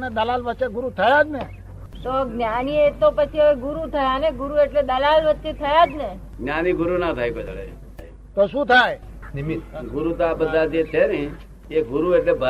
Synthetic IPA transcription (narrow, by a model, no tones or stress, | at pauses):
ned̪əlalʋət͡ʃeɡʊɾut̪ʰəjad͡ʒne | t̪oɡnjaniet̪opət͡ʃʰiəʋeɡʊɾut̪ʰəjaneɡʊɾueʈled̪əlalʋət͡ʃet̪ʰəjad͡ʒne | ɡnjaniɡʊɾunat̪ʰaːjpəd͡ʒ̪ɭḛ | t̪oʃũt̪ʰaj | nimɡʊɾut̪abəd̪ad͡ʒ̪et̪ʰːenii | eɡʊɾueʈlebə